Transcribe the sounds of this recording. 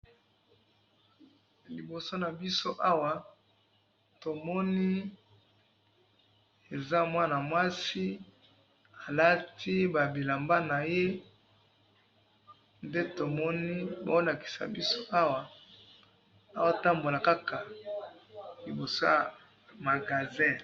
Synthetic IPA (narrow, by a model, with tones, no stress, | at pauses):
li˨bo˨so˦na˨bi˦so˦ʔa˦wa˨ | to˨mɔ˦ni˦ | e˨za˦mwa˦na˨mwa˦si˦ | a˨la˦tʰi˦ba˨bi˨la˨mba˦na˨je˦ | nde˦to˨mɔ˦ni˦ba̰˨˦o˦la˨ki̥˨sa̰˨bi˦so˦ʔa˦wa˨ | a˦wa˦˨ta˦mbo˨la˨ka˦kʰa˨ | li˨bo˨so˦ja˨ | ma˨ɡa˨zɛ˦